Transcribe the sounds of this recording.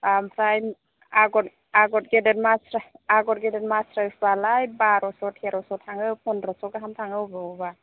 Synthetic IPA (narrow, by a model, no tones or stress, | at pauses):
ampʰɾajm | aɡɔt | aɡɔt̚ɡedetmasɾaaɡɔt̚ɡɛdɛnmasɾasbalajbaɾɔsɔtheɾɔsɔtʰaŋɯwpʰɔnɾɔsɔkaɦamtʰaŋɯwbɔba